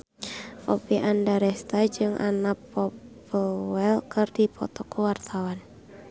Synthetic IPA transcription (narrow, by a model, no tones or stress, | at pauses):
ʔɔ̰piʔandaɾɛst̪ad͡ʒɨŋʔa̰napɔp | əwɛlkɨrdipʰɔ̰t̪ɔkuwart̪ʰawan